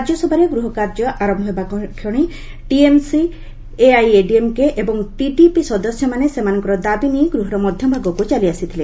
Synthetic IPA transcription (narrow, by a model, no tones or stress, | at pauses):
kaɾd͡ʒɔsɔbʱaɾeɡɾuɦɔkaɾd͡ʒɔʔaɾɔmbʱɔɦebakʰɔɽ̃i | ʈiemsi | eajeɖiemkeʔebɔŋʈiʈipisɔd̪ɔsjɔmanesemanɔŋkɔɾɔd̪abinijɡɾuɦɔɾɔmɔd̪ʱjɔbʱaɡɔkut͡ʃaliasit̪ʰile